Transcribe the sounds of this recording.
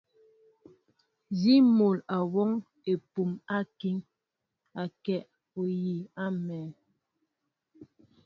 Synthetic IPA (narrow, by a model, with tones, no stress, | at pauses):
zi˦mo˨la˨wɔ˦ŋ | e˨pu˨ma˦ki˦ŋ | a˨kɛ˦˨ʔ | o˨ji˨a˦mɛː˨